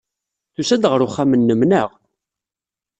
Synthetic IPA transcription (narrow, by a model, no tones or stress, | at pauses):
θusæd̪ʁəɾʊχːamənːəmnəʁ